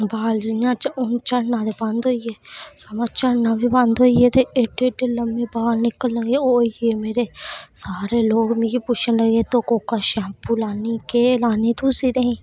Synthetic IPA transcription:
baːld͡ʒɪjãːt͡ʃəʊnt͡ʃəɽnãːd̪eːbãnd̪ɦoːieːsəmãːt͡ʃəɽnãːbiːbə̃nd̪ɦoːiːeːt̪eːeɖeːɖeːləmbeːbaːlnɪkəlːəɡeoːieːmeːɾeːsaːɾeːloːɡmĩːɡipʊt͡ʃʰənləɡeːt̪oːkoːkaːʃãːmpuːlaːniːkeːlaːniːt̪uːsiːd̪eːĩː

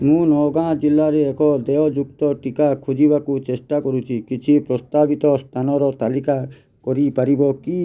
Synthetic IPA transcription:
mũnɔːɡãːd͡ʒɪlːaɾeːkɔd̪eɔd͡ʒʊkt̪ɔʈikakʰʊd͡ʒibakut͡ʃeʃʈ̪akɔɾut͡ʃʰikɪt͡ʃʰipɾɔst̪aːbit̪ɔst̪ʰanɔɾɔt̪alika | kɔɾipəɾibɔki

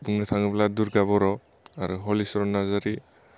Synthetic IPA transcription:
buŋnatʰaŋɯbladuɾɡaβɔɾɔ | aɾuɦɔlisɔɾɔnazaɾi

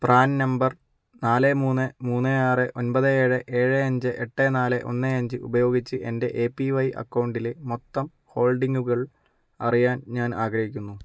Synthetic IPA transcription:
praːnnɐmbɐr | naːlemuːnːɨmuːnːɨaːrɨʔo̞nbɐðɨeːɻɨʔe̞ːɻɨɐɲd͡ʑɨʔeʈːenaːleʔo̞̰nːɨɐɲd͡ʑɨʔubɐjo̞ːɡit͡ɕːɨʔe̞nde̞ʔeːpːiʋɐjʔɐ̰kːɐwɳɖilmot̪ːɐm | ho̞ːlɖiŋɡuɣɐɭ | ɐ̰rijaːnɲaːnaːɡɾɐhikʲːunːu

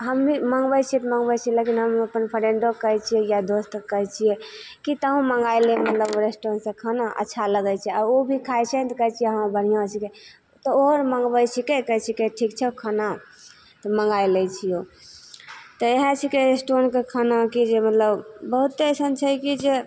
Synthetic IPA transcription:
ɦəmːiməŋɡbəjt͡ʃʰiɛt̪məŋɡbət͡ʃʰiɛlekinɦəməpənpʰəɾeɳɖokəɦt͡ʃʰijɛjad̪ost̪əkət͡ʃʰijɛ | kit̪əɦũməŋɡajlɛmət̪ləboɾesʈonsẽkʰanaʔə̰tːʃʰaləɡɛt͡ʃʰɛaɾobʱikʰajt͡ʃʰɛt̪ɔkəɦt͡ʃʰijɛɦəmbəɽ̤ijãt͡ʃʰike | t̪ɔoɦɾməŋɡbəjt͡ʃʰikekəɦt͡ʃʰikeʈʰikt͡ʃʰɛokʰana | t̪ɔməŋɡajlɛt͡ʃʰijo | t̪ɔeɦə̃t͡ʃʰikeɾesʈonkekʰanakid͡ʒemət̪ləbbəɦut̪ːəsənt͡ʃʰɛkid͡ʒe

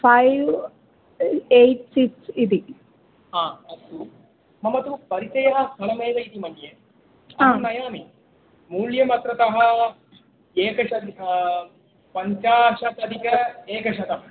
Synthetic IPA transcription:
fʰajʋ | ejʈsiksid̪i | aːɐsu | mɐmɐt̪upɐɾit̪ɐjɐɦɐst̪ʰɐlɐmeːʋɐjit̪imɐnje | ɐaɐnːɐjaːmi | muːljɐmɐt̪ɾɐt̪ɐɦɐ̆ | eːkɐʂɐd̪ | pɐɲt͡ʃaːʂɐt̪ɐd̪ʱikɐeːkɐʂɐt̪ɐm

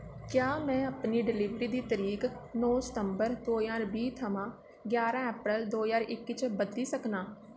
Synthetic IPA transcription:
kjaːmɛ̃ːəpniːɖɪliːʋɾiːd̪iːt̪əɾiːk | nɔ̃ːsə̥t̪əmbəɾd̪oːjaːɾbiːt̪ʰəmãː | ɡjaːɾãːɛːpɾəld̪oːjaːɾʔɪkːɪt͡ʃʰbəd̪liːsəknaː

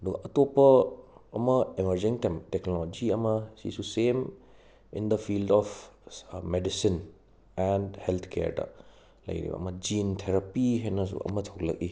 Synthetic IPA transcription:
ɐduɡɐɐtopːɐː | mɐemɐɾd͡ʒiŋteknolod͡ʒiɐmɐsḭsusem | ḭnd̪ɐpʰildɔp | medisin | endhelt̪ʰkʰḛɾdɐ̰ | lɐ̰jɾḭbɐ̰ɐ̰mɐd͡ʒintʰeɾapiɦajnɐs̬ṵɐ̰mɐtʰowlɐ̰k̚i

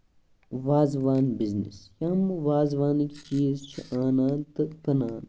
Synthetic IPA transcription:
ʋaːzʋaːnbiznḭsjɐmʋaːzʋaːnikt͡ʃiːzt͡ʃʰḭʔaːnaːt̪ɨkɐnaːn

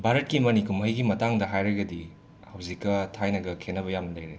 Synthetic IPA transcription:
bʱaɾɐt̚kimɐnikumɦɐjɡimɐtaŋdɐɦajɾɐɡɐdi | hɐwzikːɐtʰajnɐɡɐkʰenːɐbɐjamnɐlɐjɾe

